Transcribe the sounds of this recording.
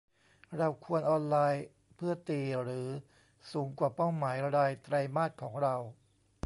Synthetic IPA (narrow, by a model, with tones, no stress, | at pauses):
ɾa˧wkʰu˧ənʔɔː˧nlaː˧j | pʰɯ˥˩ɐt̪iː˧ɾɯː˩˦ | suː˩˦ŋkwaː˨˩pa˥˩wmaː˩˦jɾa˧daː˧jt̪ɾa˧jmaː˥˩t̪̚kʰɔː˩˦ŋɾa˧w